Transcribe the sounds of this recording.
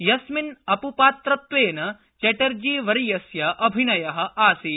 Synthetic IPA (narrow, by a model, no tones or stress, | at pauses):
jɐsminɐpupaːt̪ɾɐt̪ʋeːnɐ | t͡ʃɐʈɐɾd͡ʒiːʋɐɾijɐsjɐʔɐbʱinɐjɐɦɐ̆ʔaːsi